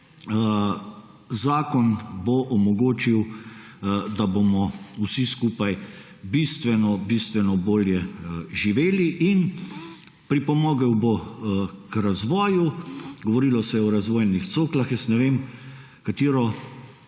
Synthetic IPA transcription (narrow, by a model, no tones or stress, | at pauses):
zaːkɔnboʔɔmɔɡoːt͡ʃiw | d̪abomɔusiskuːpaj | bist̪ʋɛnɔbist̪ʋɛnɔboːljɛʒiʋeːliʔin | pɾipɔmɔːɡɛwbo | kɾazʋɔːjuɡɔʋɔɾilɔsɛjɛɔɾazʋɔːjnixt̪soːklaxjɛst̪nɛʋeːm | kat̪iːɾɔ